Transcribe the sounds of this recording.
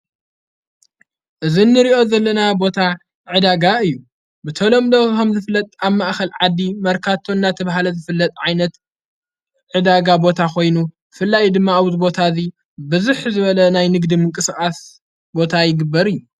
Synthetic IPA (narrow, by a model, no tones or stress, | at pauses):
ʔɨzinːɨɾiʔo̞zɐlːɐnabo̞t̪ʰa | ʕɨd̪aɡaɨjːu | bɨt̪ʰɐlo̞md̪okɐmzɨfɨlːɐt̪ʼaβmaʔxɐlʕad̪imɐɾkʰat̪ʰːoɨnːat̪ʰɐβɦalɐzɨfɨlːɐt̪ʼʕajnɐt̪ | ʕɨd̪aɡabo̞t̪ʰakʰo̞jnubfɨlːajd̪ɨmːawzbo̞t̪ʰazi | bɨzuħzɨβɐlɐnajnɨɡd̪imɨŋkʼɨsɨxʼas | bo̞t̪ʰajɪɡɨbːɐɾɨjːu